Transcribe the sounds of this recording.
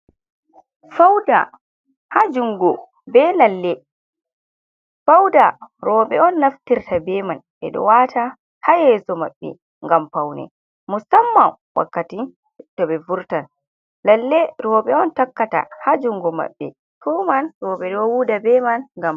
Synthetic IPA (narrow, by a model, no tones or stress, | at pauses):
fawda̰ | had͡ʒuŋɡɔ | bɛlalːɛ | fawdaɾɔːɓɛɔnːaftiɾtabɛman | ɛ̰ɗɔ̰watʰa | hajɛsɔma̰ɓːɛ̰ | ŋɡampawnɛ̰ | musamːa | wa̰kːati | tɔbɛvuɾtan | lalːɛɾɔːɓɛɔntakːata̰had͡ʒuŋɡɔma̰ɓːɛ | tʰɔmanɾɔːɓɛɗɔwuːdabɛmanŋɡam